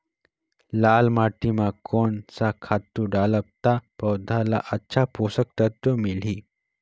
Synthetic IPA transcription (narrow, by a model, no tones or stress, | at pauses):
laːlmaːʈimãkoːnsakʰaːt̪ũɖaːləb̚t̪apɐwd̪ʱala̰ʔɐtːʃʰapoːsək̚t̪ət̪ːomɪl̤iː